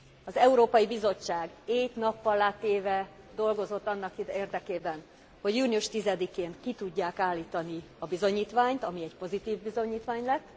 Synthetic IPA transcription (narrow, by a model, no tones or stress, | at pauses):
ɒzɛuɾoːpɒjibizo̞t͡ʃːaːɡeːt̪nɒpːɒlːaːt̪eːvɛ | d̪o̞lɡo̞zo̞t̪ːɒnːɒkid̪eːrd̪ɛkeːbɛn | ho̞ɟjuːniuʃt̪izɛd̪ikeːnkit̪uɟːaːkaːlːiːt̪ɒni | ɒbizo̞ɲiːt̪ʋaːɲt̪ɒmiɛcpo̞zit̪iːvbizo̞ɲiːt̪ʋaːɲlɛt̪ː